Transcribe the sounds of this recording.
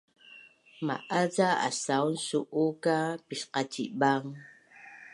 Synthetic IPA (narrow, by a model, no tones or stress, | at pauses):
ma̰ʔazaa̰sawnsuʔukapiʃqat͡ʃibaŋ